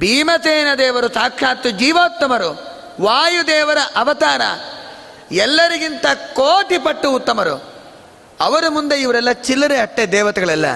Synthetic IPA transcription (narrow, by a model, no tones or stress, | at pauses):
bʱiːmɐt̪eːnɐd̪ɛːʋɐɾut̪aːkʂaːt̪ːud͡ʒiːʋoːt̪ːɐmɐɾu | ʋaːjud̪eːʋɐɾɐʔɐʋɐt̪aːɾɐ̰ | ɛlːɐɾiɡint̪ɐkoːʈipɐʈːuːt̪ːɐmɐɾṵ | ɐʋɐɾumund̪eiʋɐɾɛlːɐt͡ʃilːɐɾeɐʈːed̪ɛːʋɐt̪ɛɡɐɭɛlːɐ̰